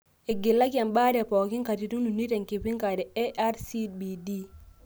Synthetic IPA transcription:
ɪ˨ɡɪ˨lːa˦kja˨mba˦dɛ˨pɔ˨ki˦ŋka˨ti˨tu˦nu˨ni˦tɛ˨ŋki˨pi˦ŋka˨dɛ˨ɛ˦ʔa˦ɾsi˦bi˨di˦

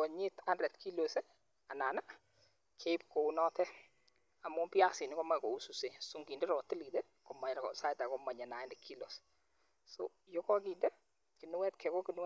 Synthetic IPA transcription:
ɔ˨ɲi˦ta˦ndrɛ˨tkʰi˦lo˨sɛ˦ | a˨na˨na˦ | kʰe˦ip̚ko˨u˦nɔ˦tɛ˦ | a˨mu˦pi˦a˦sɪ˨nɪ˦kɔ˦ma˦kɔ˨u˦su˨se˨su˦ŋɡi˨ndɛ˦ɾɔ˨tɪ˦li˨tɛ˦ | kɔ˨ma˨ɲɾsa˦ɪ˦ta˨kɔma˨ɲɛ˨na˨ɪ˦ndɛkʰi˦lo˨s | so̰˦ | jɔ˦kɔ˦ki˨ndɛ˦ | ki˨nu˦wɛ˦tkʰɛ˨kɔ˦ki˨nu˦wɛ˦

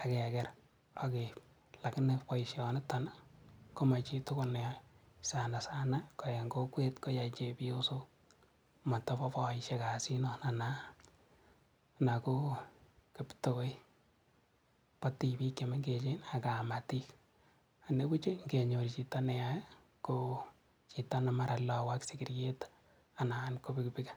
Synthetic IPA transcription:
akɛ˨kɛ˦ɾ | a˨ke˨ | la˨knepɔ˦iʃjɔ˨ne˦tanako˦ma˨t͡ʃi˦tʊ˦ko˦nɛajsana˨sa˦na˦ko˨je˨ŋɡo˦kwe˦tko˦ja˨t͡ʃepio˦so | ma˨tɔ˦pɔ˦pɔ˨iʃe˦ka˨si˦nɔ˦na˨na˦ | na˨ko˦kepto˦ko˦i | pati˨bi˦kjeme˦ŋɡet͡ʃena˨ka˨mati˦k | a˨ne˦ku˦t͡ʃe˦ŋɡe˨ɲo˨ɾit͡ʃi˨ta˦nɛ˦jaj | ko | t͡ʃitanamaɾa˨lɔ˨waksikirje˦t | ana˨anko˦bi˦kpikḁ

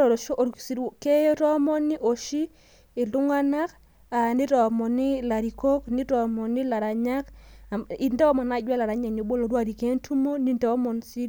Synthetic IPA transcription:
ɾo˨ɾʃo˦ʔɾsi˨ke˦ɔ˦ɾɔ˦mɔ˦ni˦ʔo˨ʃiː˦˨ | lʊ˦ŋa˦na˦k | a˨nɪ˦ɾɔ˨mɔ˨nɪ˦la˨ɾi˨ko˦kni˦tɔ˨mɔ˨nɪ˦la˨ɾa˨ɲa˦k | i˨ndɛ˦ɔ˦mɔ˨na˨ɟwa˦la˨ɾa˨ɲa˨ɲo˨bo˦lo˨ɾwa˦˨ɾi˨ke˦ntʰu˦mo˦ni˦ntɔ˦mɔ˨nsi˦

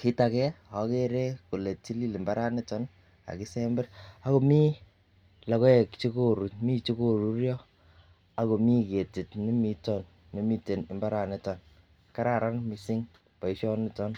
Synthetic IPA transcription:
ki˦ta˨kɛ˦ɔ˨˦ke˦ɾe˦ku˨le˨t͡ʃi˦li˦li˨mba˦ɾa˦ne˦tɔ˦n | a̰˨ki˦se˦mbɛ˦ɾa˦ko˨mi˦ | la˨kɔ˦ɛ˨kt͡ʃi˦ko˦ɾu˨˦tmi˦t͡ʃi˦ko˨ɾu˦rjɔ˦ | a˦ko˨mi˦ke˨ti˨tni˦mi˨tɔ˦n | ne˨mi˦te˨nɪ˨mba˦ɾa˨ne˨tɔ˨n | ka˦ɾa˦˨ɾa˦nmi˦si˦ŋ | pɔ˨i˦ʃɔ˦nɪ˦tɔ˦n

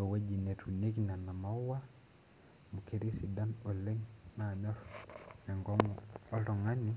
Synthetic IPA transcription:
ɔ˨we˦d͡ʒi˨nɛ˨tʰu˨ne˦kina˨na˨ma˨u˦wa˦ | mu˨ke˨ɾi˦si˨da˦nɔ˨le˦ŋna˨ɲɔ˦ɾmɛ˨ŋɡɔ˦ŋɔ˦lɔ˨ŋa˦ni˦

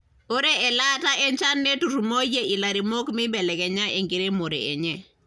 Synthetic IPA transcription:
o˦ɾe˦ɛ˨la˦ta˦ʔɛ˦ɲt͡ʃa˦nːe˦tu˨ɾumo˦je˦ʔi˨la˨ɾi˨mo˦kmɪ˦bɛ˨lɛ˨kɛ˨ɲa˦ʔe˨ŋɡi˨ɾe˦mo˨ɾḛː˨ɲɛ˦

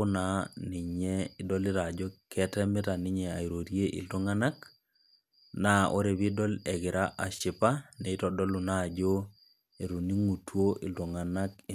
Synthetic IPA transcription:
ʊ˦na˨ni˨ɲɛ˦i˦dɔ˦li˦ɾa˨d͡ʒo˦kɛ˦tɛ˦mɪ˦ta˨ni˦ɲɛ˨a˨i˨ɾo˨ɾje˦ʔḭ˨lu˦ŋa˦na˦k | na˨ʔo̰˦ɾe˨βi˦dɔ˦lɛ˨ɡɪ˨ɾa˦ʔa˨ʃi˨pa˦ne˨i˦tɔ˨dɔ˦lu˨na˦˨d͡ʒo˦ | e˨ɾu˨ni˦ŋu˨two˦ʔi˨lu˨ŋa˨na˦k̚

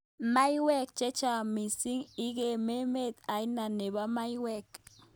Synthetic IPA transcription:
ma˦jwɛ˦k̚t͡ʃe˦t͡ʃa˨mi˨si˦ŋi˦ɡe˨me˦me˦˨t̪a˨jna˨ne˨ba˦ma˦jwɛ˦˨k

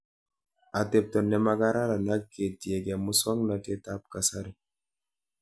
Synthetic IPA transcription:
a˨tɛ˨p̚tɔ˨nːɛ˨ma˦ɡa˦ɾa˦ɾa˨na˦kːe˨ti˨e˨ɡɛ˨mu˦sɔ˦ŋna˨te˦ta˦p̚ka˨sa˦ɾi˨

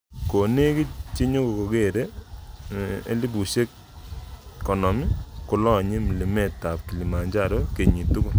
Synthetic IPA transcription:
ko˨ne˦ki˦t͡ʃi˦ɲo˦ko˨ko˨ke˦˨ɾe˦ | ḛ˦li˦bu˨se˦k | kɔ˨nɔ˨mi˦kʊ˦lɔ˦˨ɲe˦mi˨li˨me˦˨tːa˨p̚ki˨li˨ma˨ɲd͡ʒa˦ɾo˦ke˨ɲi˨tu˦kʊ˦

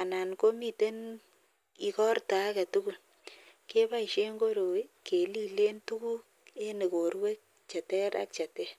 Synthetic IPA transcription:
a˨na˨nko˦mi˦˨te˦n | i˨kɔ˦rta˨˦kɛ˨tu˦ku˨l | ke˦pa˦i˨ʃe˦ŋɡo˦ɾo˨˦ke˨li˦le˦ntu˦ku˦ | e˦ne˨ko˨ɾwe˦k̚ | t͡ʃɛ˨tɛ˦ɾa̰˦k̚t͡ʃa˨tɛ˦

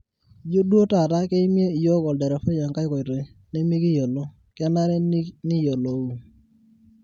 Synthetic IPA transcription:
d͡ʒo˦dwo˦ta˨ta˦ke˦mje˦i˨jo˦kɔ˨ldɛ˨ɾɛ˨fɔ˦ja˨ŋka˦kɔ˨ɾe˨ | ne˦mi˦ɡi˦jo˨lo˦ | kɛ˦na˦ɾɛ˦nɪ˦jo˨lo˨u˨

